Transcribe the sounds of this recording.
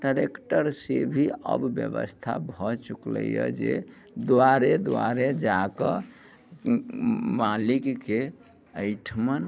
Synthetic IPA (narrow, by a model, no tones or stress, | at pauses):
ɖaɾekʈəɾsebʱiə̰bːjəbə̰st̪ʰa̰bʱɔt͡ʃuklə̰jə̰d͡ʒe | d̪waɾed̪wa̰ɾed͡ʒakə | malikke | əɪʈʰmən